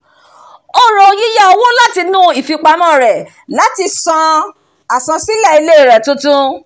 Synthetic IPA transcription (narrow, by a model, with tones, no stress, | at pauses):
o˦ɾɔ̃˧ji˦ja˦o˧wõ˦la˦ti˧nũ˦i˨fi˨˧k͡pa˧mã˦˨ɾɛ˨ | la˨˦ti˧sã˧ | a˨sã˧si˦lɛ˦˨i˧le˦i˦˨ɾɛ˨tũ˧tũ˦